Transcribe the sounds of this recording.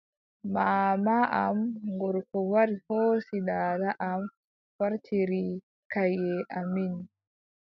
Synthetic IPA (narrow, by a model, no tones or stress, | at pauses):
maːmaʔamŋɡɔɾkɔwaɾihɔsidaːdaʔam | faɾtʰiɾi | kajɛʔamin